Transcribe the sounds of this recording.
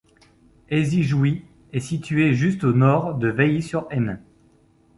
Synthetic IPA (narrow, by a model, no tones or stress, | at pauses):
eziʒwi | ɛsit̪ɥeʒyst̪onɔʁd̪əveisyʁɛnɛ̃